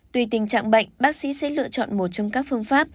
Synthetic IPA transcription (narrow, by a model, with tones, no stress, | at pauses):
t̪wi˨˩t̪ï˨˩ŋ̟t͡ɕa̰ː˧˨ŋɓə̰˧˨jŋ̟ɓaː˦˥k̚sḭ˧˥sɛ̰˧˥lɨ̰˧˨ət͡ɕɔ̰˧˨nmo˨˩t̚t͡ɕɔ˧wŋ͡mkaː˦˥k̚fɨ˧əŋfaː˦˥p̚